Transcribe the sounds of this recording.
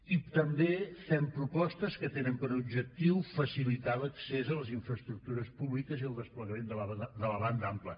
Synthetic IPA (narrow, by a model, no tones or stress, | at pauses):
it̪əmbefɛmpɾupɔst̪əskət̪enəmpəɾubʒək̚t̪iwfəsilit̪aləksezələziɱfɾəst̪ɾuk̚t̪uɾəspuβlikəziəlˠd̪əspləɣəmend̪əad̪ələβand̪əamplə